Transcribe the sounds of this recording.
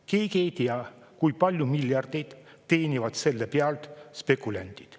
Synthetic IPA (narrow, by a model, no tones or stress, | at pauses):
keːkejt̪iɑ | kujpɑlʲjumiljɑrd̪̥ejd̪̥ | t̪ːe̞ːnʲivɑd̪̥se̞lːepeɑlt̪spekːulænʲt̪i̥d̪̥